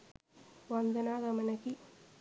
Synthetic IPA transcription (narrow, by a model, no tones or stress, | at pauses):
ʋɐnd̪ɐnaːɣɐmɐnɐki